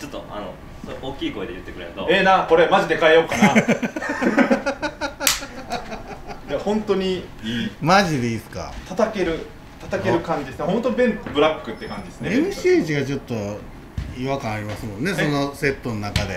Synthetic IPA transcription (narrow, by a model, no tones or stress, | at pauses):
t͡ɕot̪ːo̰a̰no̰ | soʔoːkʲiːko̞ed̪ejɯ̟t̪ːe̞kɯɾḛnot̪o̰enako̞ɾe̞maʑid̪e̞kaejokːana | jahõ̞nt̪o̞ɲ̟iiːmaʑid̪e̞iːsɨ̥ka̰t̪at̪ake̞ɾɯ̟ | t̪at̪ake̞ɾɯ̟kãɲ̟d͡ʑid̪esɨnehõnt̪obẽ̞nbɯ̟ɾakːɯ̟t̪ːekãɲ̟d͡ʑid̪esɨneemɯ̟ɕiːʑiɡat͡ɕo̞t̪ːo̞ | iβakãɰ̃aɾʲimasɨmõ̞nːe̞so̞no̞se̞t̪ːo̞nonakad̪e̞